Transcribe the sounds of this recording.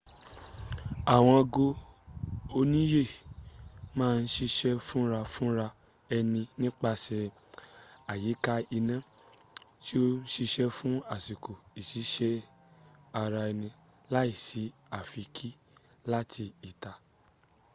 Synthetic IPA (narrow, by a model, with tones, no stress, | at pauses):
a˨w̃ɔ̃˧ɔ˧ɡo˧ | o˧nĩ˦je˦˨ | mãː˦˧n̩˦ʃi˧ʃɛ˦fũ˦ɾa˧fũ˦ɾa˧ | ɛ˧nĩ˧nĩ˦k͡pa˧sɛ˧ | a˨ji˨˦ka˦i˧nã˦˨ | ti˦o˦n̩˦ʃi˧ʃɛ˦fũ˦a˦˨si˨ko˨i˨si˨˦ʃɛ˦ | a˧ɾa˧ɛ˧nĩ˧ | la˦i˦˨si˨˦ | a˦˨fi˧kʰi˦ | la˦tʰi˧i˦˨ta˨